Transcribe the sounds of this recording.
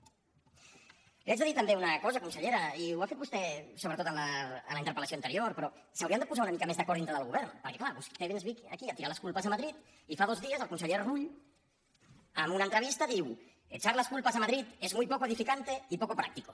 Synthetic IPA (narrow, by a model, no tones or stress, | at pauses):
liad͡ʒðəðiɾt̪əmbeunəkɔzəkunsəʎeɾɐiuwafet̪̚bust̪ɛsoβɾət̪ot̪ənləːnləint̪əɾpəlasoint̪əɾioɾpɾɔsawɾiəmnd̪əpuzaunəmikəmezðəkɔɾðint̪ɾəðəlɣ̞uβɛɾnpəɾkɛklaβust̪eβenzβikkiat̪iɾaləskulˠpəzəmaðɾit̪ | ifað̞ozðiəzəlˠkunsəʎeɾruʎ | əmunənt̪ɾəβ̞ist̪əðiw | et͡ʃaɾləskulˠpəzəmaðɾit̪ezmujpɔk̬eðifikant̪eipɔkopɾa̰k̚t̪iko